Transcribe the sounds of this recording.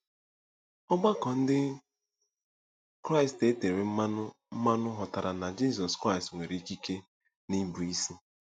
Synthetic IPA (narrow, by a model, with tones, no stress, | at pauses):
ɔ˦ɡ͡ba˦kɔ˨n̩˦dɪ˦ | kɾa˦ɪ˨ste˦te˨ɾe˨m̩˦a˦ʊ˦ | m̩˦ma˦nʊ˦ɦɔ˨ta˨ɾa˨na˨d͡ʒi˦zɔ˨skɾa˦˨stŋʷe˨ɾi˨i˦ki˦ke˦ | ni˦bu˨i˦si˦